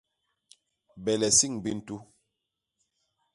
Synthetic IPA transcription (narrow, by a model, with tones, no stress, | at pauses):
bɛ˨lɛ˨si˦˨ŋbi˦n̩˨˦tu˦